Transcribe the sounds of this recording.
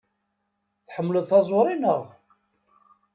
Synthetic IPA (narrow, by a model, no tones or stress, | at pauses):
θħəmːləðˤθɑzˤʊɾˤinəʁ